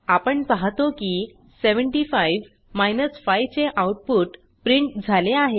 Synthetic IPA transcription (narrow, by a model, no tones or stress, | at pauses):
apəɳpaɦt̪oki | seʋəɳʈifajʋ | majnəsfajt͡seʔawʈ̚puːʈ | pɾiɳʈd͡zʱaleaɦe